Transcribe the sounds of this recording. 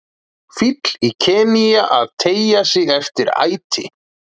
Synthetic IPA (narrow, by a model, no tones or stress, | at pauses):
fit̪licʰɛːnijaʔaðt̪ʰeːjasɪɣɛft̪ɪɾa̰ːjt̪ʰɪ̰